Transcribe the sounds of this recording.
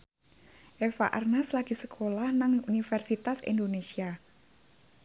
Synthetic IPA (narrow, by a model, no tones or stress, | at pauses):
ʔefa̰ʔa̰rnaslaɡ̥i̤səkʰolahnaŋunifɛrsit̪asḭnd̪onesia